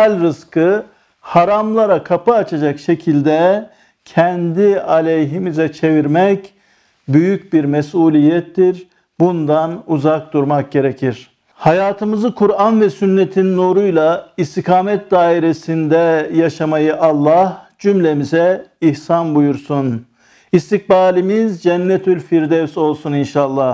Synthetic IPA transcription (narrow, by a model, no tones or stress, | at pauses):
alʲɾɯskʰɯ | haɾamlˠaɾakʰapɯːt͡ʃʰad͡ʒakʃe̞cʰilʲd̪ɛ | cʰɛnd̪ialʲejɦimizɛt͡ʃʰe̞viɾmɛc | byjyc̚biɾmɛsuːlʲijɛt̪ʰːiɾ | bund̪anuzak̚d̪uɾmak̚ɟe̞ɾecʰiɾ̥ | hajaːt̪ʰɯmɯzɯkʰuɾanvɛsynːet̪ʰinːuɾujlˠaist̪ʰikʰaːmɛt̪̚d̪aːiɾesind̪ɛjaʃamajɯʔɑlˠːɑhd͡ʒymlʲemizɛihsanbujuɾsun | ist̪ik̚baːlʲimizd͡ʒɛnːɛt̪ʰylʲfiɾd̪ɛvso̞lˠsuninʃalˠːah